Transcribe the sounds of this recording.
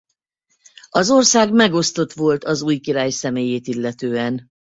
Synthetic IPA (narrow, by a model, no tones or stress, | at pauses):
ɒzo̞rsaːɡmɛɡo̞st̪o̞t̪ʋo̞lt̪ɒzuːjkiɾaːjsɛmeːjeːt̪ilːɛt̪øːɛn